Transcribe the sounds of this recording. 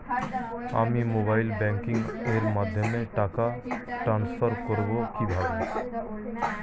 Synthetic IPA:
a̰ːmimoːbaːɪlbɛ̃ːŋkɪ̃ŋɡeːɾmad̪ʱjəmẽʈaːkaʈɾãːnsfʰəɾkəɾbokibʱaːɡa

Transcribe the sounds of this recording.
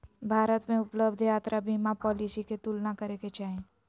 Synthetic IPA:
bʱaːɾət̪mẽʊpləbd̪ʱjaːt̪ɾʔabʱimãpɔːlisiket̪ulnakəɾeket͡ʃaːɦẽ

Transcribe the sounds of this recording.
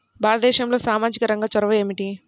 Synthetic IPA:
baːlɐt̪d̪ɛːʃɐmlo̞ːsaːmaːd͡ʒikɐɾɐŋɡaːt͡ʃɐɾɐʋɐeːmiʈi

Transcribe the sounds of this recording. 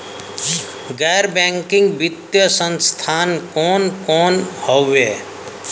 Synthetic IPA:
ɡɛːɾbɛ̃ŋkɪ̃ŋɡbɪt̪jəsə̃nst̪ʰaːnkoːnkɔːnhɔeː

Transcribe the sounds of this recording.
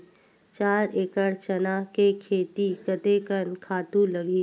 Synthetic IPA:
t͡ʃaːɾeːkəɽt͡ʃənakekʰeːt̪ikət̪ekənkʰaːt̪ũləɡʱi

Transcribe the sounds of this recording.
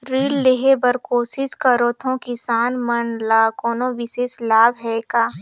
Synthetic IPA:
ɾiːlːeɦebəɾkoːsɪskɐɾoːt̪ʰõkɪsaːnmənlaːkɔːnõʋɪʃeːslaːbɦɛkaː

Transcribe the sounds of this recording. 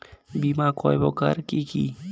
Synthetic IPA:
bimakʰɔjbɔka̰ɾkiki

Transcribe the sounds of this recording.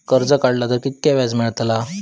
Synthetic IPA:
kəɾd͡zəkaɽlat̪əɾkit̪̚kaʋad͡zmiɭt̪la

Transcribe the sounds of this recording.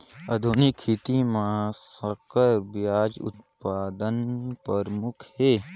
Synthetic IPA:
ɐd̪ʱunɪkʰːit̪imãsəkəɾbjaːd͡ʒʊ̰t̪̚paːd̪ənpəɾmʊkʰheː

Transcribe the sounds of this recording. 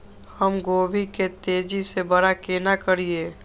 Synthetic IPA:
həmɡoːbʱiket̪eːd͡ʒisebəɽakeːnakəɾieː

